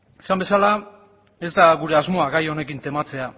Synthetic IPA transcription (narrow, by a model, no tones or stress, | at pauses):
esambe̞sala | e̞zd̪aɣuɾe̞azmo̞aɣajo̞ne̞kint̪e̞mat͡se̞a